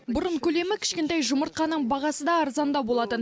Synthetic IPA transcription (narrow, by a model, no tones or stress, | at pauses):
bʊɾəɴkʲʰɵle̞mɪkʲʰɪ̥ʃkʲe̞nt̪ɑjʒʊməɾt̪̚qɑnːəɴbɑʁɑsəd̪ɑːɾzɑnd̪ɑbo̞lˠɑt̪ən